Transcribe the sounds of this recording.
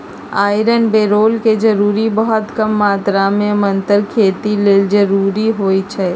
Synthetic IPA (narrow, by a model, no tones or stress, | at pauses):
aːɪɾənbeːɾoːlked͡ʒəɾuːɾibəɦɔt̪kəmːaːt̪ɾamẽmənt̪əɾkʰeːt̪ileːld͡ʒəɾuːɾiɦoːit͡ʃʰɛ